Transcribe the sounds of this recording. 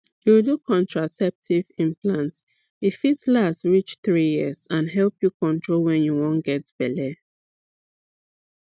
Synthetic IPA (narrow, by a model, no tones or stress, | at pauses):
judukʰɔ̃ntɹasɛp̚tʰivĩnplãnt | jifitslastɹit͡ʃθɹijiəzãnɦɛlpjukɔ̃ntʰɹolwɛ̃njuwɔ̃nɡɛtb̥ɛlɛ